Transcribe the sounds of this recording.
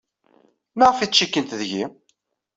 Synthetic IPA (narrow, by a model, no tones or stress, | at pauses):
maʁəfit͡sʃikːənt̪ðʝi